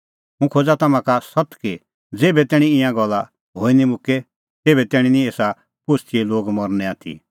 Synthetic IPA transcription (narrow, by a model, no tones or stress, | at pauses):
mũkʰoːd͡zat̪ɐmãkasɐt̪ki | d͡zeːbɛt̪ɛːɽ̃ĩɪ̃jãɡɔlːa | ɦoːinimʊke | t̪eːbɛt̪ɛːɽ̃ĩnĩeːsa | pʊst̪ʰieloːɡmɔɾnɛaːt̪ʰḭ